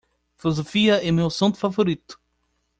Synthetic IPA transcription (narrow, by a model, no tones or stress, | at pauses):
filozofiɐɛmewsõnt̪ʊ̥favoɾit̪ʊ̥